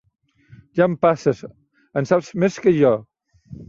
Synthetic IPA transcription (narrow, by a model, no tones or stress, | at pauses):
ʒampasəs | ənsapzmeskəʒɔ